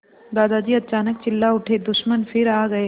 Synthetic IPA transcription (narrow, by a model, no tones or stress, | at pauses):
d̪ad̪ad͡ʑiːət̪ːt͡ɕanək̚t͡ɕɪlːauʈʰed̪uʃmənfiɾaɡəe